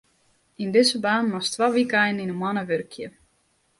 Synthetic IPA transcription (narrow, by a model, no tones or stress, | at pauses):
indɪsəbaːnmɔstʋaːʋikɛjnn̩inənmwɔnəʋørkʰjə